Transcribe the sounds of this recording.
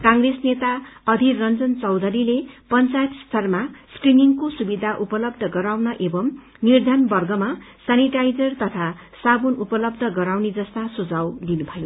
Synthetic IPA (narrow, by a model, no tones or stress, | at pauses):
kãŋɡresnet̪aʌd̪ʱirʌnd͡zʌnt͡sʌwd̪ʱʌɾilepʌnt͡sajt̪st̪ʰʌrmaskriniŋkosubid̪ʱaʔupʌlʌbd̪ʱʌɡʌɾawnʌʔebʌm | nird̪ʱʌnbʌrɡʌmasaniʈajd͡zʌrt̪ʌt̪ʰa | sabonupʌlʌb̚d̪ʱʌɡʌɾawned͡zʌst̪asud͡zawd̪inubʱʌjo